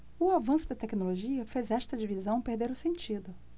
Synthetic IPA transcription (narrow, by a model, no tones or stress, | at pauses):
ʊavɐ̃sʊd̪ɐt̪ɛkinoloʒiɐfezɛʃt̪ɐd͡ʒivizɐ̃w̃peɾd̪eɾʊsẽnt͡ʃid̪ʊ